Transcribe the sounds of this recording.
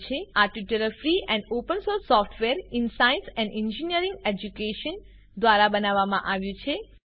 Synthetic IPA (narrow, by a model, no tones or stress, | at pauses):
t͡ʃʰeaʈʋiʈəɾəfɾiɛ̃ɳɖopənsoɾsːɔfʈʰʋeɾɪnsainsɛ̃nɖĩnd͡ʒiniəɾĩŋɡed͡ʒukeʃən | d̪ʋaɾabənaʋːamã̰ʔaʋjũt͡ʃʰe